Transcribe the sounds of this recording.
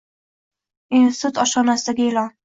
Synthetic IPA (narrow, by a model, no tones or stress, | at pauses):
int̪ut̪ɒʃɒnasɪd̪aɡʲaelɒn